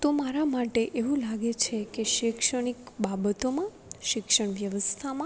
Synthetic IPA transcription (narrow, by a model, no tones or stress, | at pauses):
t̪omaɾamaʈeʔeʋũlaɡet͡ʃʰekeʃikʃəɽ̃ikbabət̪omã | ʃɪkʃəɽ̃ʋjəʋəst̪ʰamã